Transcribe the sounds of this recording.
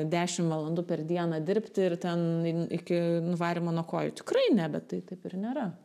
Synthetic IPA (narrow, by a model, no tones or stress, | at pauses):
d̪ʲæːʃʲɪmʋɐlˠɐnd̪ʊpʲɛrd̪ʲiɛnɐd̪ʲɪɾʲpʲt̪ʲɪɪrt̪ʲɛnɪkʲɪnʊʋɑːɾʲɪmoːnuɔkoːjʊt̪ʲɪ̥kɾɐɪnʲɛbʲɛt̪tːɐɪt̪ɐɪpɪrnʲeːɾɐ